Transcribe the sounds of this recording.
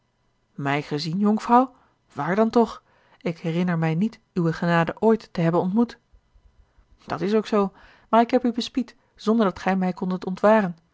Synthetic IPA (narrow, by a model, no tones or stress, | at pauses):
mɛjχəzinjɔŋfrɑw | ʋaːɹdɑntɔχ | ɪkɦɛrɪnəɹmɛjnit | yʋəχənaːdəʔoːjtːəɦɛbənɔntmut | d̥ɑtɪsowksow | maːɹɪkɦɛpybəspit | z̥ɔndəɹdɑtχɛjmɛjkɔndətɔntʋaːrən